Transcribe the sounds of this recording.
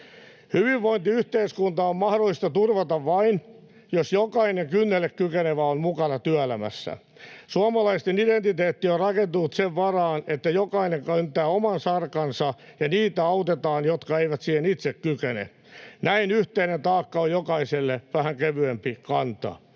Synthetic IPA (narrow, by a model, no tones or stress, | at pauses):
hyʋiʋːoint̪iyht̪eiskunt̪ɑommɑhdolːˑist̪ɑt̪urʋɑt̪ɑʋʋɑin | josjokɑineŋkynːelekkykeneʋæommukɑnɑt̪yæelæmæ̰sːæ̰ | suɑmɑlɑist̪enident̪it̪eːt̪ːiorrɑkent̪unut̪seʋʋɑrɑːnet̪ːæjokɑineŋkønt̪æːomɑnsɑrkɑnsɑjɑniːt̪æɑut̪et̪ɑːnjot̪kɑeiʋæt̪siːhenit̪sekkykenḛ | næinyht̪einent̪ɑːkːɑojjokɑiselːeʋæhæŋkeʋyempikɑnt̪ɑ̰